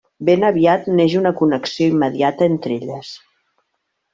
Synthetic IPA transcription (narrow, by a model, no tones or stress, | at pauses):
benəβiat̪neʒunəkunəksioimːəðjat̪əent̪ɾeʎəs